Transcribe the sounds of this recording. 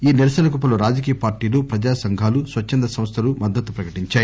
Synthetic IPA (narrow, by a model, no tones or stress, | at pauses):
iːniɾɐsɐnɐkupɐluɾaːd͡ʒɐk̬iːjɐpaːɾʈiːlopɾɐd͡ʒaːsɐŋɡʱaːlusʋɐt͡ʃːɐnd̪ɐsɐmst̪ʰɐlumɐd̪ːɐt̪ːu̥pɾɐkɐʈiɲt͡ʃaːji